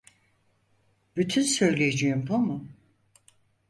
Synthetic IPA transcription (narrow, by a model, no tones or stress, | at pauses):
b̥yt̪ʰynsø̞jlʲijed͡ʒijimbomu